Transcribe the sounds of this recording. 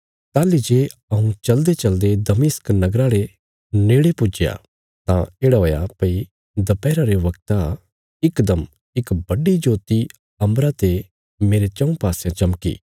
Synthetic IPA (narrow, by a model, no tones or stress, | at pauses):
t̪aːlid͡ʒeːɐũt͡ʃɐld̪et͡ʃɐld̪ed̪ɐmɪsknɐɡɾaɾe | neːɽepʊd͡ʒja̰ | t̪ã̰eːɽaɦoːjapɐi | d̪ɐpɛːɾaɾeʋɐkt̪a | ɪkd̪ɐm | ɪkbɐɖid͡ʒoːt̪i | ɐ̃mbɾat̪e | meːɾet͡ʃɐ̃ũpaːsjãt͡ʃɐmkḭ